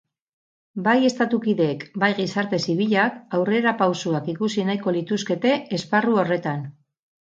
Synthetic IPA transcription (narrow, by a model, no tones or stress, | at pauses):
baje̞st̪at̪ukiðe̞ːkbajɣisaɾt̪e̞siβ̞iʎakawre̞ɾapawsuakikusinajko̞lit̪uske̞t̪e̞ːsparuo̞re̞t̪an